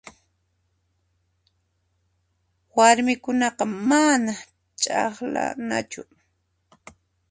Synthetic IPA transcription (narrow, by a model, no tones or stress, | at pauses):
waɾmɪkʊnɑqɑmana | t͡ʃʼɑχla̰na̰t͡ʃʊ